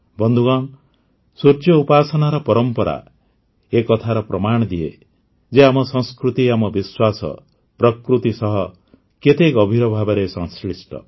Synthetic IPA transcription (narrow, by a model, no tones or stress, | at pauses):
bɔnd̪ʱuɡaŋ | suɾt͡ʃjɔupasɔnaɾɔpɔɾɔmpɔɾa̰ | ekɔt̪ʰaɾɔpɾɔmaɽ̃ɔd̪ie | d͡ʒeamɔsɔ̃ŋskɾut̪iamɔbiswasɔ̰ | pɾɔkɾut̪isɔɦɔ | ket̪ekɔbʱiɾɔbʱabaɾesɔ̃ŋskɾisʈɔ̰